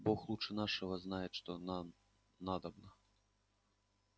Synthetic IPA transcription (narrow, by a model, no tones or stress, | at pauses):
bɔxlˠut͡ʂɨnaʂɐɣɐznajɛt̪ʂt̪ɔn | nad̪ɐbnɐ